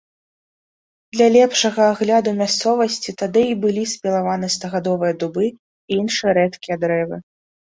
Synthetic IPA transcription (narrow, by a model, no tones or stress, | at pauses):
d̪lʲalʲɛpʂɐɣɐːɣlʲad̪umʲast̪sɔvɐsʲt͡sʲit̪ad̪ɨibɨlʲisʲpʲɛlˠavanɨst̪ɐɣad̪ɔvɨjɐd̪ubɨ | iinʂɨjɐɾɛt̪kʲijɐd̪ɾɛvɨ